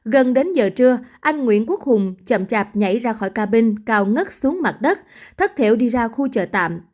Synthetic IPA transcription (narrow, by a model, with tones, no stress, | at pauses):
ɣə˨˩nɗe˨˦nzəː˨˩t͡ɕɨ˧əʔa˧jŋ̟ŋwḭ˧˨ənku˦˥ək̚hʊ˨˩ŋ͡mt͡ɕə̰˧˩mt͡ɕaː˨˩p̚ɲa̰˧˩jzaː˧xɔ˧˩jkaː˧ɓï˧ŋ̟kaː˧wŋə˦˥t̚su˨˦əŋma˨˩t̚ɗə˦˥t̚t̪ʰə˦˥t̚t̪ʰḛ˧˩wɗi˧zaː˧xu˧t͡ɕə̰ː˧˩t̪a̰ː˧˨m